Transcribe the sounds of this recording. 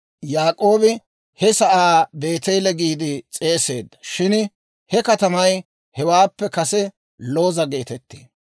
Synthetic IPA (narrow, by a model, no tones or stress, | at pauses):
jaːkʼo̞ːbɪ | hɛsɐʔaːbe̞ːt̪ɛjlɛɡiːd̪ɪt͡sʼe̞ːse̞̰ːd̪ːɐ̥ʃɪn | hɛkɐt̪ɐmɐj | hɛwaːpːɛkɐsɛ | lo̞ːzɐɡe̞ːt̪ɛt̪ːḛː